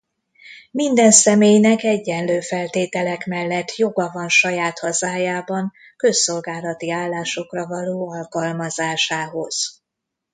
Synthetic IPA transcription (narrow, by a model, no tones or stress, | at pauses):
mind̪ɛnsɛmeːjnɛkɛɟːɛnløːfɛlt̪eːt̪ɛlɛkmɛlːɛt̪ʰːjo̞ɡɒvɒnʃɒjaːt̪hɒzaːjaːbɒŋ | kø̞sːo̞lɡaːlɒt̪iaːlːaːʃo̞krɒvɒloːɒlkɒlmɒzaːʃaːɦo̞z̥